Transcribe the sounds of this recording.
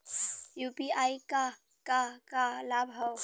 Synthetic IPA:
jupiaika | kakalabʱɦɔw

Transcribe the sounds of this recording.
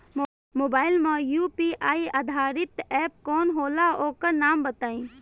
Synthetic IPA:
moːbaːɪlmãjuːpiːʔaːiad̪ʱaːɾɪt̪ɛːp̚kɔːnɦoːlaoːkəɾnaːmbət̪aːĩː

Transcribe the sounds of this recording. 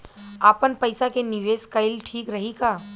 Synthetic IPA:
aːpənpəɪsakenɪʋeːskəɪlʈʰiːkɾɐɦikaː

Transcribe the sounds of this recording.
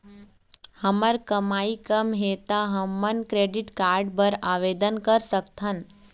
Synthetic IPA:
həməɾkɐmaːikəmɦeːt̪aɦɐmːənkɾeːɖɪʈkaːɾɖpəɾaːʋeːd̪ənkɐɾsəkt̪ʰɦən

